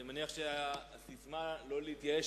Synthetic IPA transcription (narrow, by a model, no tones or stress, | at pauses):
emaniaχʃeaaːsismalo̞leit̪jae